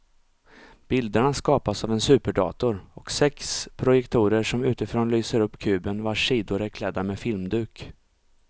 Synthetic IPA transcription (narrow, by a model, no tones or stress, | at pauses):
b̥ɪld̪əɳaskɑːpasavɛnsʉ̟ːpəɖɑ̰ːt̪ʊɾɔksɛkspʰɾʊjɛkt̪ʰuːɾəʂɔmʉ̟ːt̪ɪfɾoːnlyːsəɾɵpːkʰʉ̟ːbənvaʂiːd̪ʊɾɛkʰlɛd̪ːamɛfɪlmd̪ʉ̟ːk